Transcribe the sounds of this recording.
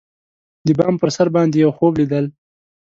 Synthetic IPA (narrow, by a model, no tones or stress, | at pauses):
d̪əbɑmpəɾsaɾbɑnd̪ejawxoblid̪əl